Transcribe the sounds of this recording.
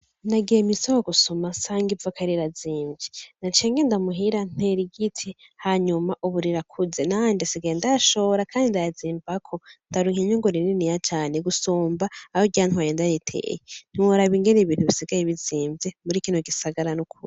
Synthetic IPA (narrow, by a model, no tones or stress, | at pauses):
naɡijemisowoɡuso̞masaːŋɡivakʰaɾiɾaziːmvɟinat͡ʃeːŋɡendamuɦiɾan̥eɾiɡitʰi | haɲumaʔuβuɾiɾakʰuzenandesiɡendaʃoɾakʰaːndindajaziːmbakʰondaɾuŋeɲoŋɡoɾininijat͡ʃaːneɡusoːmbaːhoɟanhwajeːndajitʰḛːjen̥iwoɾaβiŋɡeneβiːn̥huβisiɡajeβiziːmvjemuɾiːkiːnoɡisaɡaɾanukʰṵɾi